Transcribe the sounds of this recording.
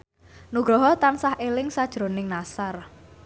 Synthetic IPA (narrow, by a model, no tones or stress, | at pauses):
nuɡ̥ɾɔɦɔt̪ansahʔelɪŋsad̥ʒ̥ɾonɪŋnasar